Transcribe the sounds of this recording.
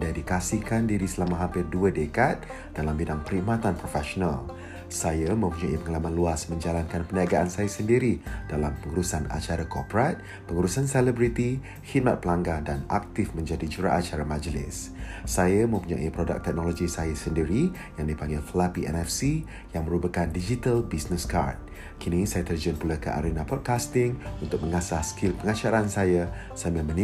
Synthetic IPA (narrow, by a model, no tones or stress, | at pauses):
dadikasihkandiɾisəlamaɦampɪrduədəkat̪̚ | d̥alambidaŋpəɾiʔmat̪anpɾofɛʃonal | sajamə̃mpuɲaʔipəŋalamanluasmə̃ɲd͡ʒalankanpəniaɡaʔansajasəndiɾid̥alampəŋuɾusana̰t͡ʃaɾakopɾat̪̚ | pəŋuɾusansɛlɛbɾit̪i | hit̪̚mat̪̚pəlaŋɡadana̰k̚t̪ɪfmə̃ɲd͡ʒadid͡ʒəɾa̰ʔat͡ʃaɾamad͡ʒlɪ̰s | sajamə̃mpuɲa̰ʔipɾoda̰k̚t̪ɛk̚noloɡisajasəndiɾi | jaŋdipaŋɡɪlfəlapiʔɛ̰nɛfsi | jaŋmə̃ɾubakandid͡ʒit̪albisnəska̰rt̪̚ | kʰinĩsajat̪ərd͡ʒənpulakəʔa̰ɾenapɔd̚kast̪ɪŋunt̪ʊk̚məŋasahskilpəŋat͡ʃaɾansaja | saməmə̃ni